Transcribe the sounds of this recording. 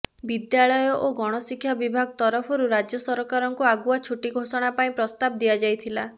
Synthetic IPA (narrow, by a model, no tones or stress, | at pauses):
bid̪jaɭɔjɔʔoɡɔɽ̃ɔsikʰːjabibʱaɡɔt̪ɔɾɔpʰɔɾuɾad͡ʒjɔsɔɾɔkaɾɔŋkuaɡuat͡ʃʰuʈiɡʱosɔɽ̃apaĩpɾɔst̪ab̚d̪ijad͡ʒajt̪ʰila